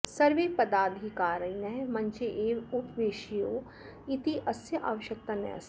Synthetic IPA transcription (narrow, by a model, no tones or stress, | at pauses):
sɐɾʋeːpɐd̪aːd̪ʱɦikaːɾəinɛmɐ̃nt͡ʃeʔeːʋʊpʋeːʃijoː | ɪt̪iʔɐsjəʔa̰ːʋɐʃək̚t̪anɛ̰ɐ̰s